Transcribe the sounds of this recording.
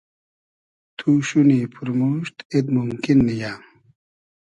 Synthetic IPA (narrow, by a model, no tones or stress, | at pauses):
t̪ʰuːɕunipʰuɾmuːɕt̪ed̪mumkinːijaː